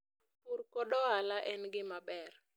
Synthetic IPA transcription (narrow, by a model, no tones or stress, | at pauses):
puɾkɔɗɔalaʔɛnɡɪmabɛr